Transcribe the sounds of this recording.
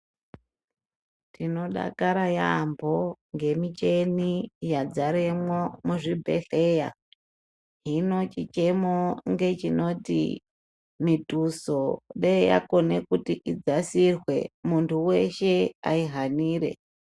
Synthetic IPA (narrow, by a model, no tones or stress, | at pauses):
tino̞ɗa̰kaɾajambʱo̞ŋɡe̞mit͡ʃe̞nijad͡zaɾemwomuʐibʱe̞̰ɬe̞ja̰ | ɦino̞t͡ʃit͡ʃe̞moŋɡe̞t͡ʃino̞tḭ | mituso̞ɗeja̰ko̞ne̞kutiʔid͡zasirwe̞̰muntʰuwe̞ʃe̞aiɦaniːɾe̞̰